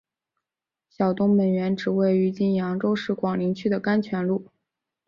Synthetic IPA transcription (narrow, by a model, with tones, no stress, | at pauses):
ɕjɑ˨˩ʊt̪ʊ˥ŋmə˨˩nɥɛ˧˥nʈ͡ʂɻ̩˨˩we˥˩ɪy˧˥t͡ɕi˥˩njɑ˧˥ŋʈ͡ʂo˥ʊʂɻ̩˥˩kwɑ˨˩ŋli˧˥ŋt͡ɕʰy˥d̪ə˨ka˥nt͡ɕʰɥɛ˧˥nlu˥˩